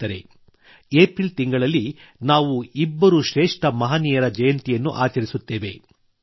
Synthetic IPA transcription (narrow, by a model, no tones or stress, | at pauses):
ɐɾe̞ | eːpɾilt̪iŋɡɐɭɐlːi | naːʋuibːɐɾuʃɾeːʂʈɐmɐɦaːniːjɐɾɐd͡ʒɐjɐnt̪ijɐnːṵʔa̰ːt͡ʃɐɾisut̪ːe̞ːʋe̞